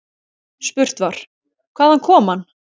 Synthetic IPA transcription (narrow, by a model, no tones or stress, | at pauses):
spʏr̥t̪vaɾ̥ | kʰv̥aːðhankʰɔːmhanː